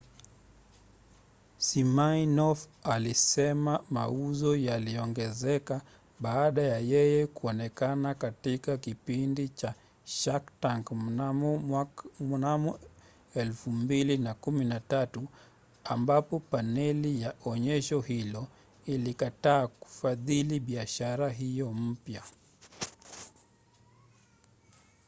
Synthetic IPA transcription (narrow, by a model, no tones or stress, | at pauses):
simanɔfalisɛmamauzɔjaliɔŋɡɛzɛka | ɓaːɗajajɛjɛkuɔnɛkanakatikakipindit͡ʃa | ʃaktaŋk | munamu | ɛlfumbilinakuminatatu | ambapɔpanɛlijaʔɔɲɛʃɔhilɔ | ilikataːku̥faðiliɓiaʃaɾaɦijɔm̩pja